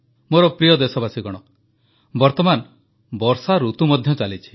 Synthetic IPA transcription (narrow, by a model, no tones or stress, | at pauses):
moɾɔpɾijɔd̪esɔbasiɡɔɽ̃ɔ | bɔɾt̪ɔman | bɔɾsaɾut̪umɔd̪ʱjɔt͡ʃalit͡ʃʰi̥